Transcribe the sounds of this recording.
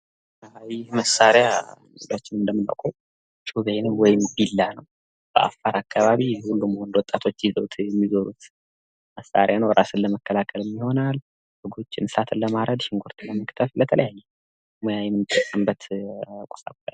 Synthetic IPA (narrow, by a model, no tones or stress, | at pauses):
jɪhməsaɾjanelat͡ʃːɪnɨnd̪əmːɨna̰kʷʼo | t͡ʃʼuβenwɔjɪmbilːanəw | b̥əʔa̰fːaɾakʰːaβaβihulːumhond̪wɔt̪ʼːat̪ʰo̞t͡ʃːjizəwt̪ʰjɛmːizəɾut̪ | məsːa̰ɾjanəwɾʔasɨlːəməkːəlakʰːəlɨmːiho̞nal | hɨɡo̞t͡ʃːɪnsat̪ʰɨlːəmaɾəd̪ʃɪŋɡʷoɾt̪ʰɨlːəməkt̪ʰəflət̪ʰələjajːɛ | mojajɛmɨnɨt̪ʰʼːəsʼəmbət̪kʼo̥sʼa̰bəl